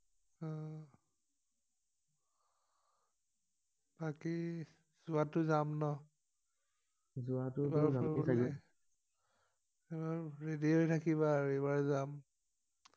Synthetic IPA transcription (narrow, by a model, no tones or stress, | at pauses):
ɔ | b̥aki | z̥ʊatʊzamnɔ | zuatubaaakɛ | ebaɹɹediɦojtʰakiβaebaɹzam